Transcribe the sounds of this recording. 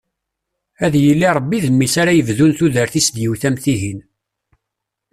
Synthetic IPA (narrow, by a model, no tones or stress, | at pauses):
æðjəlːiɾˤəbːiðəmːisaɾajəvðunθuðəɾθisd̪jiwθæmθiɦin